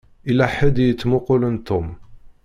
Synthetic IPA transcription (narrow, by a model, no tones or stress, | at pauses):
ilæħəd̪jət͡sːmʊqulənt̪ʊm